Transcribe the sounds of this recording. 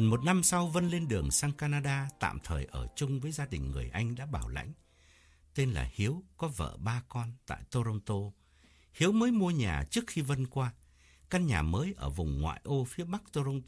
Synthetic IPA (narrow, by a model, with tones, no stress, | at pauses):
ə˨˩nmo˨˩t̚na˧msa˧wvə˧nle˧nɗɨ˨˩əŋsaː˧ŋkaː˧naː˧ɗaː˧t̪a̰ː˧˨mt̪ʰəː˨˩jʔəː˧˩t͡ɕʊ˧ŋ͡mvəː˨˦jzaː˧ɗï˨˩ŋ̟ŋɨ˨˩əjʔa˧jŋ̟ɗa̰ː˧˥ɓaː˧˩wla̰˧˥jŋ̟ | t̪e˧nla̰ː˨˩hi˨˦əwkɔ˨˦və̰ː˧˨ɓaː˧kɔ˧nt̪a̰ː˧˨jt̪o˧ɾə˧wŋ͡mt̪o˧ | hi˨˦əwməː˨˦jmu˧əɲaː˨˩t͡ɕɨ˦˥ək̚xi˧və˧nkwaː˧ | ka˧nɲaː˨˩məː˨˦jʔəː˧˩vʊ˨˩ŋ͡mŋwa̰ː˧˨jʔo˧fi˨˦əɓa˦˥k̚t̪o˧zə˧wŋ͡mt̪